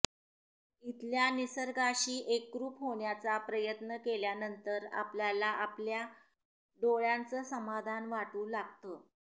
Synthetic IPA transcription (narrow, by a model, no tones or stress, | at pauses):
it̪ljanisəɾɡaɕiːʔekːɾuːpɦoɳjat͡sapɾəjət̪nəkeljanənt̪əɾa̰pljalaʔaplja | ɖoɭjant͡səːsəmad̪ʱanʋaʈuːlaɡ̚t̪əː